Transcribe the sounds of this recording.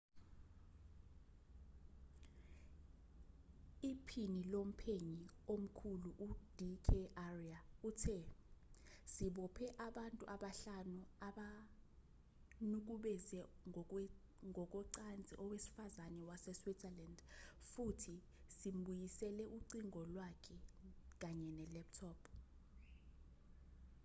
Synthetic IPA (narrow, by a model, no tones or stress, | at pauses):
ipʰinilom̩pʰeɲi | om̩kʰuluʔud̥ʱikʰɛʔariautʰɛ | siɓɔpʰɛʔaɓantʼuʔaɓaɬanuaɓa | nuk̬uɓɛzɛ | ŋʱɔk̬ɔǀand͡zʱiʔɔwesi̥fazanɛwasɛswidzɛlandfutʰi | sim̩ɓujisɛlɛʔuǀiŋʱɔlwakʰɛk̬aɲɛnɛlɛp̚tʰɔːpʰ